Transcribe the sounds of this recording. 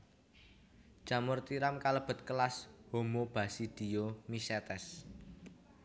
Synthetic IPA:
ʒ̥ä̤mʊrt̪iɾamkaləb̥ə̤t̪̚kəlashomob̥a̤sid̪̥i̤jomisɛt̪ɛs

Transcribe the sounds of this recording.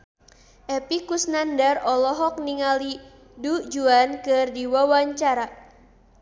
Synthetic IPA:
ʔɛpikusnandarɔlɔɦɔk̚niŋali | dud͡ʒuankɨrdiwawaɲt͡ʃaɾa

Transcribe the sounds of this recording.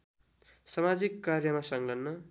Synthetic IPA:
sʌmad͡zikːarjʌmasʌŋlʌnːʌ

